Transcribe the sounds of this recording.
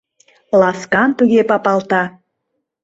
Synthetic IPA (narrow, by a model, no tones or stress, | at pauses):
lɑskɑnt̪uɣepɑpɑlt̪ɑ